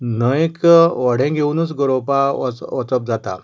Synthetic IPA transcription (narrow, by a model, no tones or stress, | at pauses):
nəjkʋɔɽẽɡʱeunut͡sɡəɾopaɔt͡səp̚d͡zat̪a̰